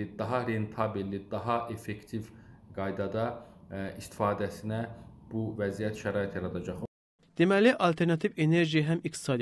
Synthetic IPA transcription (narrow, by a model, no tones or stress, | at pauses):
id̪ɑɦɑɾent̪ʰɑbilːid̪ɑɦɑʔefekt̪ʰivɡ̥ɑjd̪ɑd̪ɑist̪ʰi̥fɑːd̪æsinæb̥uvæzijæt̪ʃæɾɑːit̪ʰjɑɾɑd̪ɑd͡ʒɑχ | d̪̥emæliʔɑlt̪ʰeɾnɑt̪ʰiveneɾʒiɦæmikt̪i̥sɑd̪